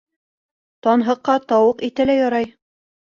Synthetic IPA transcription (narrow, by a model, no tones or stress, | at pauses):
t̪ɒnɦɤ̆qːɑt̪ɒwɤqit̪ælæjɑɾɑj